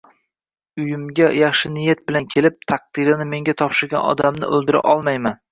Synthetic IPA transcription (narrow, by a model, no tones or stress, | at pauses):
ʊjɪmɡʲajɑχʃɪnɪjat̪̚bɪlankʲʰe̞lɪp̚t̪ʰɑq̚d̪̥ɨɾɪnɪme̞ŋɡʲat̪ʰɒpʃɪɾɡʲanɒ̰d̪amnɪ̰ʔɵlˠd̪ɪɾa̰ʔɒlˠmajman